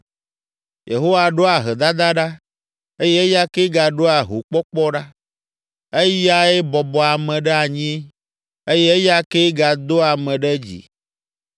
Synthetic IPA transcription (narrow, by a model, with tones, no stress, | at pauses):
jḛ˨ɦo˦wa˨ɖo˦a˨ɦɛ˨d̪a˦d̪a˦ɖa˦ | e˦jɛ˦e˦ja˦ke˦ɡa˨ɖo˦a˨ɦo˨k͡pɔ˦k͡pɔ˦ɖa˦ | e˦ja˦e˦bɔ˨bɔ˨a˨mɛ̃˨ɖɛ˦a˨ɲĩ˦e˦ | e˦jɛ˦e˦ja˦ke˦ɡa˨d̪o˦a˨mɛ̃˨ɖɛ˦d͡ʑḭ˨